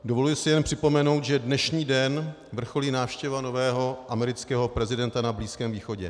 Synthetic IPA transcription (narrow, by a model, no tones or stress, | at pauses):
dovo̞lujɪsɪjɛnpr̥ɪpo̞mɛno̞wt̪ʒɛdnɛʃɲiːdɛn | vr̩xoliːnaːfʃcɛvano̞vɛːɦo̞ʔamɛɾɪt͡skɛːɦo̞pɾɛzɪdɛnt̪anabliːskɛːmviːxo̞ɟɛ̰